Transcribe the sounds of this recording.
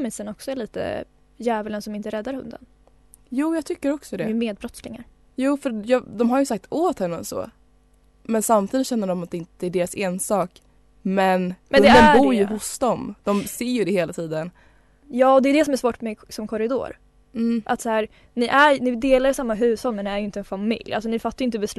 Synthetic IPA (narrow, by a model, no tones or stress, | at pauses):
misənɔksɔɛɭiːt̪ə̰ | jæːvələnsɔmɪnt̪əɾɛd̪ːaɾhɵ̰nd̪ə̰n | juːjɑɡt̪ʰʏkːəɾɔksɔd̪ɛmeːd̪̚bɾɔt̪slɪŋa̰ɾ | juːfœɾjɑːd̪ɔmɦaɾjɵsak̚t̪oːt̪hɛnːə̰sɔ̰ː | mɛnsamt̪ʰiːd̪ɪt̪ɕɛnːəɖɔmat̪̚ɛɪnt̪ɛæɖeːɾaseːnsɑːk | mɛnhmɛnɵnd̪ɛd̪ənbuɾjɵɦʊsd̪ɔmd̪̥ɔmseːjɵd̪ɛheːlat̪ʰiːd̪ən | jɑːɔd̪ɛjɵd̪ɛsɔmæɾʂvoːʈmɛsɔmkʰɔɾɪd̪o̰ːɾ̩ | ʔat̪sahæːɾ | nɪʔæɾnɪd̪eːlaɾjsamːaɦʉ̟ːsɔnmɛnɪæɾjʏɪnt̪əɛnfamɪ̰lja̰ls̬ɔnɪfat̪ːajʏɪnt̪əbɛs